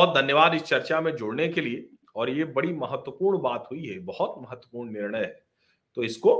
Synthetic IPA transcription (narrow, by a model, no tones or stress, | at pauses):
ɦt̪̚d̪ʱɐnjəʋaːd̪ɪst͡ʃɐɾt͡ʃamẽd͡ʒʊɽnekelie | ɔːɾjebɐɽimɐɦət̪ːwəpuːɾɳbaːt̪ɦuiɦɛbɐhɔt̪mɐɦət̪wəpuːɾɳnɪɾɳəjɦɛː | t̪oɪsko